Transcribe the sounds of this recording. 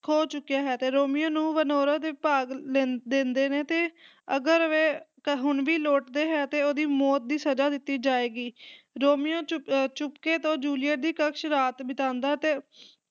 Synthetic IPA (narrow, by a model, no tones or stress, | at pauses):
kʰoːt͡ʃʊkːijaːɦɛːt̪eːɾoːmɪjõːnũːʋənoːɾaːd̪eːpaːɡlend̪ẽːnd̪eːneːt̪eː | əɡəɾəʋeːkɦʊnʋiːloːʈd̪eːɦɛːt̪eːoːd̪iːmɔːt̪̚d̪iːsəd͡ʒaːd̪ɪt̪ːiːd͡ʒaːeːɡiː | ɾoːmijõːt͡ʃʊpkeːt̪õːd͡ʒuːlɪjəʈ̚d̪iːkəkʃɾaːt̪bɪt̪ãːnd̪aːt̪eː